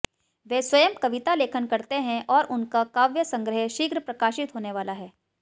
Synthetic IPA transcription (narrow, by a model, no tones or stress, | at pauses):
ʋeswɐjəmkɐʋɪt̪aleːkʰənkɐɾt̪eɦɛ̃ʔɔːɾʔʊnkakaːʋjəsɐ̃ŋɡɾəɦeʃiːɡɾəpɾɐkaːʃɪt̪ɦoːneʋaːlaɦɛː